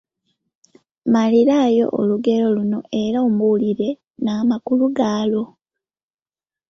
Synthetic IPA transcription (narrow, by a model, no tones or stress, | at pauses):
maliɾaːjo̞̰ʔo̰luɡe̞lo̞luno̞ʔe̞ɾaomuliɾe̞ | naːmakuluɡaːlo̞